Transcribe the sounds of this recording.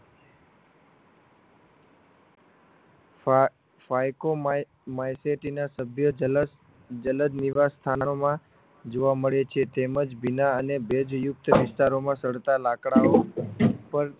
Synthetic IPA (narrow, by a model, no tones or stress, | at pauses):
fajko | majseʈinasəbʱjə | d͡ʒələd̪niʋast̪ʰannomã | d͡ʒoʋaməɭet͡ʃʰet̪eməd͡ʒbinaənebed͡ʒjʊk̚t̪əʋɪst̪aɾomãsəɽt̪alakɽaopəɾ